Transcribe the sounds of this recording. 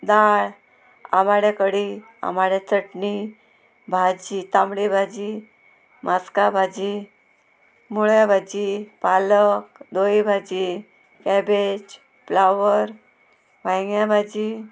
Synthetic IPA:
d̪aɭ | a̰maɽekəɽi | a̰maɽet͡səʈni | bʱad͡ʑit̪amɽibʱad͡ʑi | mʔaskabʱad͡ʑi | muɭjabʱad͡ʑipalək̚d̪oibʱad͡ʑi | kɛbed͡ʑ | plawəɾ | ʋajŋjabʱad͡ʑi

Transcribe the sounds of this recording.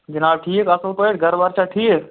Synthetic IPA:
d͡ʒənaːbʈʰikəsəlpəʈɡʱəɾbəɾt͡ʃʰaʈʰiːk

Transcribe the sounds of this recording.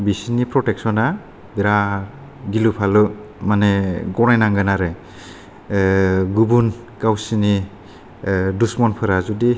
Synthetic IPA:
bisinipʰɾɔtɛksɔna | biɾa | ɡilupʰalɯ | maneɡɔnajnaŋɡanaɾe | ɡubun | kawsini | dusmɔnpʰɯɾazudi

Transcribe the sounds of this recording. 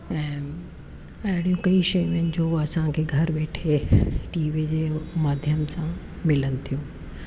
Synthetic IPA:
ɛ̃ː | ɐɦɪɽijũkɐiʃɐj̃menɪ̆d͡ʑoɐsãkʰeːɡʱɐɾʋeːʈʰeʈiːʋid͡ʑemaːd̪ʱjəmsã | mɪlənɪ̆t̪ʰijũː

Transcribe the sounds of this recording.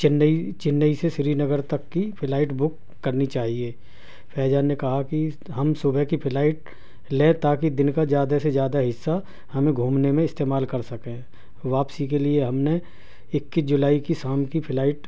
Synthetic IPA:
t͡ʃɪnit͡ʃɪnːəisesɪɾinəɡəɾt̪ɐkːipʰɪlaːɪʈbʊkː | ɐɾnit͡ʃaːɦieː | fʰɛːd͡ʒaːnːekɐɦaki | ɦɐmsʊbəkipʰɪlaːɪʈ̚ | lẽːt̪aːkid̪ɪnkazjaːd̪asezjaːd̪aɦɪsːa | hɐmẽɡʱuːmnemẽɪst̪eːmaːlkɐɾsɐkẽ | ʋaːpsikelieɦɐmne | ɪkːisd͡ʒʊlaːikisaːmkipʰɪlaːɪʈ

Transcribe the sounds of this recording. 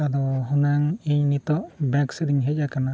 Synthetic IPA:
ad̪ɔɦunaŋiɲnit̪ɔʔbaksəɾiŋɦɛcakana

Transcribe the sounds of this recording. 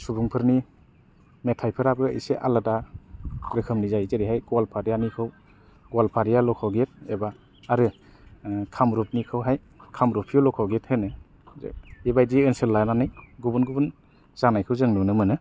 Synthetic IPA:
subuŋpʰɯɾni | metʰajpʰɯɾabɯḭseʔa̰lada | ɾɯkʰɯmnizajzeɾiɦajɡwalpʰaɾijanikʰɯw | ɡwalpʰaɾijalɔkʰawɡet̚ebaː | ɾɯ | kʰamɾup̚nikʰɯwɦaj | kʰamɾupʰijulɔkʰawɡethenɯ̰ | ibajdiɯnsɯlːajnanɯjɡubunɡubun | z̥anajkʰɯwzɯŋnɔnɯmɯnɯ

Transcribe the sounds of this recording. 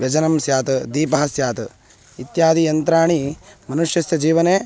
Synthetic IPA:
jɐd͡ʒɐnɐmsjaːt̪ɐd̪iːpɐɦɐsjaːt̪ɐ | it̪jaːd̪ijɐnt̪ɾaːɳimɐnuʂjɐsjɐd͡ʒiːʋɐneː

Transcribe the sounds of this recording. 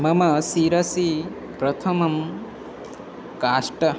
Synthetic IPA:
mɐmɐsiɾɐsi | pɾɐt̪ʰɐmɐm | kaːʂʈɐ

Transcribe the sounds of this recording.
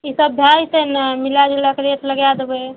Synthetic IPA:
isəbbʱjajt̪enmilad͡ʒləkɾeʈ̪ləɡjad̪ebe

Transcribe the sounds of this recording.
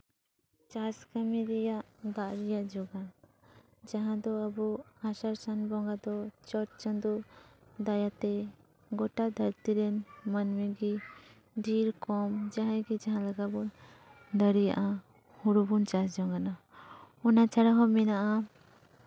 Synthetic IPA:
t͡ʃaskamiɾɛjaʔd̪aʔɾɛjaʔd͡ʒɔɡan | d͡ʒaɦãd̪ɔabuasaɾsanbɔŋɡad̪ɔt͡ʃɔt̚t͡ʃand̪ud̪ajat̪ɛ | ɡɔʈad̪ʱaɾt̪iɾɛnmanmiɡi | ɖiɾkɔmd͡ʒaɦãɡɛd͡ʒaɦãlaɡabɔn | d̪əɾijaʔa | huɾubunt͡ʃasd͡ʒɔŋɡana | ɔnat͡ʃaɽaɦɔmɛnaʔa

